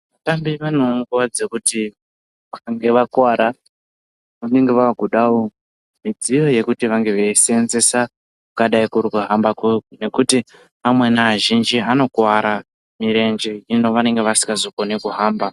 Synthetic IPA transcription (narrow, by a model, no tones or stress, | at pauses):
ʋatambiʋano̞ŋɡuwad͡zekuti | ʋakŋɡe̞ʋakwaɾa | ʋane̞ŋɡe̞ʋaɡʱuɗawo | mid͡zijo̞je̞kutiʋaŋɡe̞ʋeisenzesa | kukaɗaikuɾikuɦambakeune̞kuti | amwe̞naːʒind͡ʒiano̞kwaɾa | miɾe̞nd͡ʒe̞ino̞ʋane̞ŋɡe̞ʋasi̥ŋɡazoko̞nikuɦaːmba